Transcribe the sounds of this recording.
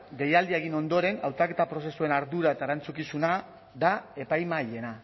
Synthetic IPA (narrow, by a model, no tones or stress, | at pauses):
ɡe̞jald̪ieɣ̞ino̞nd̪o̞ɾe̞nawt̪ake̞t̪apɾo̞se̞sue̞naɾðuɾaet̪aeɾant͡sukisuna | ðae̞pajmaʎe̞na